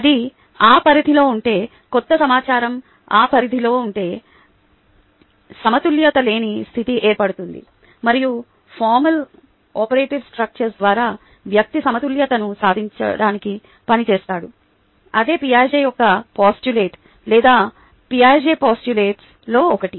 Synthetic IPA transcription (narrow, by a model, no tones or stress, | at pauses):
ɐd̪i | aːpɐɾid̪ʱilo̞ːuɳʈe̞ː | kɔt̪ːɐsɐmaːt͡ʃaːɾɐm | aːpɐɾid̪ʱilo̞ːuɳʈe̞ː | sɐmɐt̪uljɐt̪ɐle̞ːnist̪ʰit̪iʔeːɾpɐɽut̪und̪ḭ | mɐɾiju | pʰaːɾmɐl | ɔːpɐɾe̞ːʈiʋsʈɾɐk̚t͡ʃɐɾsd̪ʋaːɾaː | ʋjɐk̚t̪isɐmɐt̪uljɐt̪ɐnusaːd̪ʱiɲt͡ʃɐ̰ɽaːniki | pɐnit͡ʃeːst̪aːɽu | ɐd̪e̞ːpijaːd͡ʒeːjɔkɐpaːsʈule̞ːʈ | lɛːd̪aː | piaːɾd͡ʒeːpaːsʈuleːʈs | lo̞ːɔkɐʈi